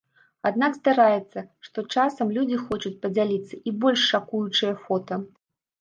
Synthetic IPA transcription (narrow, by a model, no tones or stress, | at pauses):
ad̪nakst̪aɾajɛt̪sːɐʂt̪ɔt͡ʂasɐmlʲud͡zʲixɔt͡ʂut͡sʲpɐd͡zʲalʲit̪sːɐʔibɔlʲʂːakujut͡ʂɨjɐfɔt̪ɐ